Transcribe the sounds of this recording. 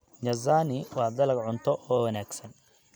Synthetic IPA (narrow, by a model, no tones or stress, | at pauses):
ɲɐzaːnɪwɑːd̪ɐlɐɡʕʊnt̪ʰɔʔɔːwɐnaːɡsɐn